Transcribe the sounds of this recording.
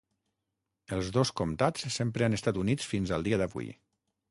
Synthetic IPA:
əlˠzðoskomt̪at͡ssempɾəanəst̪at̪unit͡sfinzəlˠd̪iəðəβṵj̰

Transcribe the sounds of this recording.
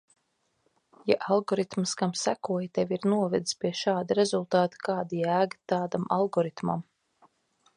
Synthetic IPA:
jaʔalˠɡɔɾit̪mskamsækuɔjt̪ɛvʲiɾnuɔvɛd̪i̥spʲiɛʃaːd̪aɾezulˠt̪ɑːt̪ḁkaːd̪iæːɡḁt̪aːd̪ama̰lˠɡɔɾit̪ma̰m

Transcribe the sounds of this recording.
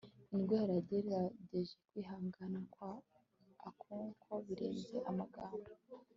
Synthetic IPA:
inɡweːɾaɾɟeɾiɾaɟeʒekwiːɦaːŋɡanakwaː | kʰuːŋkʰo̞βiɾḛːnze̞ʔamaɡaːndo

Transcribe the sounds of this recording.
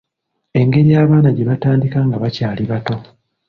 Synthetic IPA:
e̞ŋɡe̞ɾijaːβaːnaɟeβataːndikaːŋɡaβacaːliβato̞

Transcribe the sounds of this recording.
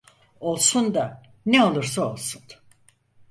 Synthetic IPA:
o̞lˠsund̪a | neo̞lˠuɾsao̞lˠsun

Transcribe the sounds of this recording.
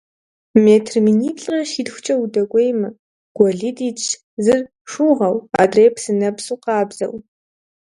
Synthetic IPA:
meːtʰrminiːt͡ɬʼɐʃiːdxʷʊt͡ʃʼɐwudɐɡʷejmɐ | ɡ̥ʷɔɮiːdiːt͡ʃ | zɨr | ʂuːʁɐwa̰ːdreːpʰsɨnɐbsuːqɑːbz̥ɐ̰w

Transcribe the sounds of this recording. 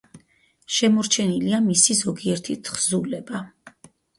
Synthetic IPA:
ʃɛmɔɾt͡ʃʰɛniliamisizɔɡiɛɾt̪ʰit̪ʰχzulɛba

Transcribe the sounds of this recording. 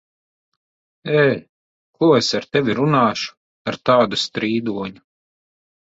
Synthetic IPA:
ɛː | kuesaɾt̪ɛʋʲiɾunɑːʃu̥ | aɾt̪aːd̪ust̪ɾiːd̪uɔɲu

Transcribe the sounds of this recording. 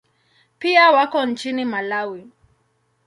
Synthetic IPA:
piawakɔn̩t͡ʃinimalawi

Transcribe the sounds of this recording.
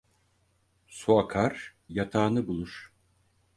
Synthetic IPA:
suakʰaɾjat̪ʰaːnɯbulˠuɾ̥

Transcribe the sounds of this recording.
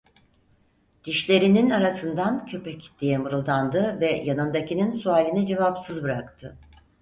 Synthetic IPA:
d̪̥iʃlʲe̞ɾininaɾasɯnd̪ancʰø̞pɛcd̪̥ijɛmɯɾɯlˠd̪and̪ɯvɛjanɯnd̪acininsuaːlʲinɛd͡ʒe̞vapsɯzbɯɾakt̪ʰɯ

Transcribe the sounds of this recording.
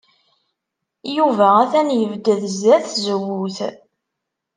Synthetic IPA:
juvææθænjəvd̪əðzæθzəwːuθ

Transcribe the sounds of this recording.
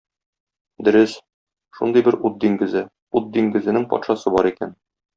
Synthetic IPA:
d̪ɵ̆ɾɘs | ʃund̪ɤjbɘɾut̪̚d̪iŋɡɘ̆zɘ | ut̪̚d̪iŋɡɘ̆zɘ̆nɘŋpɒ̰t̪ʃɑsɤbɒɾikæ̰n

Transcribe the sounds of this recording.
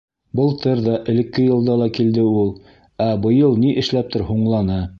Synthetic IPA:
bɤlˠt̪ɤɾðɑʔɘ̆lɘ̆kːɘjɤ̆lˠd̪ɑlˠɑkild̪ɘulˠ | æbɤ̆jɤlˠniʔɘ̆ʃlæp̚t̪ʰɘ̆ɾɦuɴlˠɑnɤ

